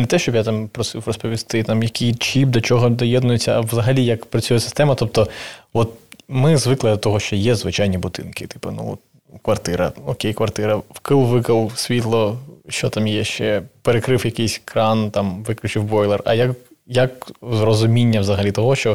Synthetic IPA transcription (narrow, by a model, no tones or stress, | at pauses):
nɛt̪ɛʃt͡ʃɔbjat̪ɑmpɾɔsɪwrɔspɔʋʲist̪ɪt̪ɑmjɐkɪjt͡ʃip̚d̪ɔt͡ʃɔɦɔd̪ɔjɛd̪nʊjɪt͡sʲːɐɐʋwzɐɦɐlʲijɐkpɾɐt͡sʲujɛsɪ̥st̪ɛmɐt̪ɔp̚t̪ɔʋɔt̪mɪzʋɪklˠɐd̪ɐt̪ɔɦɔʃt͡ʃɔjɛzʋɪt͡ʃajnʲibʊd̪ɪ̰nkɪt̪ɪ̥pɐnṵt̪ | kʋɐrt̪ɪɾɐ̰ɔkʲejkʋɐrt̪ɪɾɐwkɪlˠʋɪkɐlˠsʲʋʲit̪lˠɔʃt͡ʃɔt̪ɑmjɛʃt͡ʃɛpeɾekɾɪwjɐkɪjsʲkɾɑnt̪ɑmʋɪklʲʉt͡ʃɪwbɔjlˠɛrɐ̰jɐkjɐkzrɔzʊmʲinʲːɐʋzɐɦɐlʲit̪ɔɦɔʃt͡ʃɔ